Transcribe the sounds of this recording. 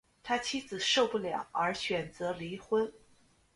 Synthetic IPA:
t̪ʰa˥t͡ɕʰi˥d͡zɹ̩˨˩ʂo˥˧ʊpu˥˩ljɑ̰˨˩˦ŋə˞˧˥ɕɥɛ˨˩nt͡sɤ˧˥li˧˥xwə˥n

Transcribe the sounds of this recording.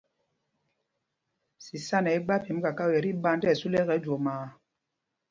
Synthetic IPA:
si˨sa˦nɛ˨i˦ɡ͡ba˦pi˨˦m˦ka˨ka˦u˨jɛ˨ɾi˦ba˧n˦dɛ˦˨su˦lɛ˦ɣɛ˨˦d͡ʒwɔ˨maː˨

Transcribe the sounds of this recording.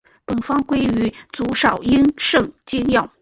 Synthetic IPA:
pə˨˩nfɑ˥ŋkwe˥ɪy˧˥t͡su˧˥ʂɑ˨˩ʊi˥nʂɤ˥˩ŋt͡ɕi˥ŋjɑ˥˩ʊ

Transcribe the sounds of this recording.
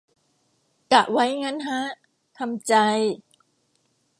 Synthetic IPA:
ka˨˩ʔwa˦˥jŋa˦˥nɦa˦˥ | t̪ʰa˧mt͡ɕa˧j

